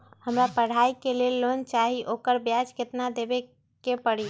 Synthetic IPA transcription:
həmɾapəɽ̤aikelelːont͡ʃaɦiʔokəɾbjad͡ʒket̪nad̪ebe | kepəɽi

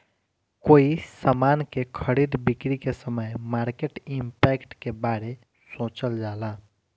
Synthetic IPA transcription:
koːisamaːnkekʰəɾiːd̪bɪkɾikesəməjmaːɾkeːʈɪmpɛːkʈkebaːɾe | sõːt͡ʃəld͡ʒaːlaː

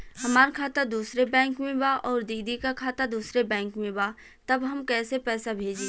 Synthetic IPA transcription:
hɐmaːɾkʰaːt̪ad̪uːsɾebɛ̃ːŋkmẽbaːʔɔːɾd̪iːd̪ikakʰaːt̪ad̪uːsɾebɛ̃ːŋkmẽbaː | t̪ɐbɦɐmkɛːsepɛːsabʱeːd͡ʒeː

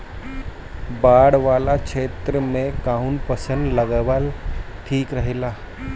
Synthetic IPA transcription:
baːɽʋaːlakt͡ʃʰeːt̪ɾəmẽkaɦunpəsə̃nd̪ləɡəʋəlʈʰiːkɾəɦilaː

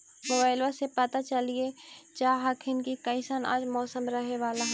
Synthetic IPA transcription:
mobaːɪlʋasepɐt̪at͡ʃɐliet͡ʃaːɦakʰɪnkikɐ̃ɪ̃səna̰ːd͡ʒmɔːsəmɾɐɦeʋaːlaɦ

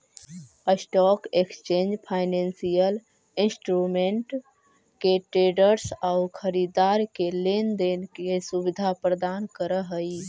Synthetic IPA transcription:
əsʈɔkekst͡ʃend͡ʒpʰaɪnensijəl | insʈɾumeɳʈ | keʈɾeɖəɾsaukʰəɾid̪aɾkelend̪enkesuβid̪ʱapɾəd̪ankəɾəɦəj

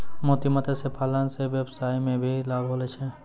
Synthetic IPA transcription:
moːt̪imət̪esepʰaːlənseʋeːbsaːimẽbʱilaːɡɦoːlet͡ʃʰe

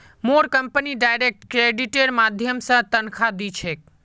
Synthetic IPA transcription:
moɾkəmpəniɖajɾek̚ʈkɾeɖiʈeɽmad̪ʱjəmsə̃t̪ənkʰad̪it͡ʃʰek̚

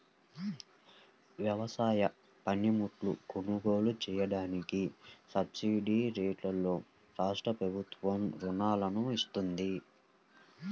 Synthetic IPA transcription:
ʋjɐʋɐsaːjɐ | pɐnjimuʈlṵɡuɳuɡo̞ːlut͡ʃɛːjɐɽaːnikisɐbsiɖiːɾeːʈlɐlːo̞ː | ɾaːʂʈɾɐpɾɐbʱut̪ʋɐmɾunaːlɐnuist̪und̪i

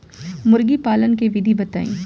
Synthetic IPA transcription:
mʊɾɡipaːlənkeʋɪd̪ʱibɐt̪a̰ːḭ̃ː

